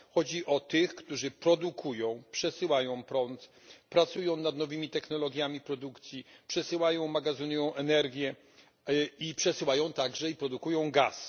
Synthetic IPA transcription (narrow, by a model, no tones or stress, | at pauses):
xɔd͡ʑiʔɔt̪ɘxkt̪uʐɘpɾɔd̪ukʰujɔ̃w̃pʂɛsɘwajɔ̃w̃pɾɔnt̪ | pɾat̪sujɔ̃w̃nad̪nɔvɘmʲit̪ɛxnɔlɔɡʲjamʲipɾɔd̪ukt̪sʲjipʂɛsɘwajɔ̃w̃maɡazɨnujɔ̃w̃ʔɛnɛɾɡʲjɛ | ipʂɛsɘwajɔ̃w̃t̪aɡʐɛipɾɔd̪ukujɔ̃w̃ɡas